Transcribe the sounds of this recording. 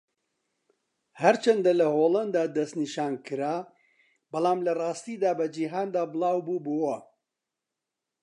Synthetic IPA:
hɐɾt͡ʃʰɐnd̪ɐlɐɦoːlɐnd̪aːd̪ɐst̪niʃaːnkɨɾaː | bɐlˠaːmlɐrɑːst̪id̪aːbɐd͡ʒiɦaːnd̪aːbɨlˠaːwbuːbowɐ

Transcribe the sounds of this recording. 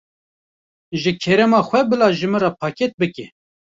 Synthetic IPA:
ʒɨkʰɛɾɛmɑːxʷɛbɨlɑːʒɨmɨrɑːpʰɑːket̪̚bɨkɛ

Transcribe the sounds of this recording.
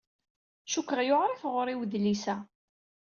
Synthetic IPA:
ʃukːəʁjoʕɾˤifʁʊɾˤiwðlisæ

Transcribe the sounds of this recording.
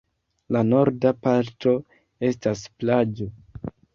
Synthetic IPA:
lano̞ɾdapaɾto̞ | e̞stasplad͡ʒo̞

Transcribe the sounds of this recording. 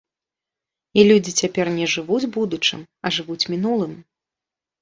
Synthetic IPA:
ilʲud͡zʲit͡sʲapʲɛrnʲɛʐɨvud͡zʲbud̪ut͡ʂɨ̰m | ɐʐɨvut͡sʲmʲinulˠɨm

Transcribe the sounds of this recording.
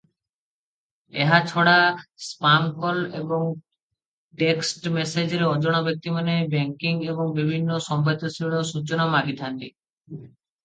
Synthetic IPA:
eɦat͡ʃʰɔɽaspaŋkɔleboŋ | ʈeksʈmesed͡ʑeɾeɔd͡ʑoɽ̃abek̚t̪imanebeŋkiŋeboŋbibʱinːosɔmbʱat̪osiɭosut͡ʃonamaɡit̪ʰant̪i

